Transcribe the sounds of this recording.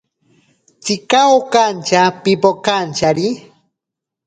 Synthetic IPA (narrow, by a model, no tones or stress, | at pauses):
t͡sikaokant͡ʃapipokant͡ʃaɾi